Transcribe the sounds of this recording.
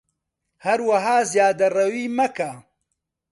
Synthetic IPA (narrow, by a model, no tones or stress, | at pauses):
hɐɾwɐɦaːzjaːd̪ɐrɐwiːmɐka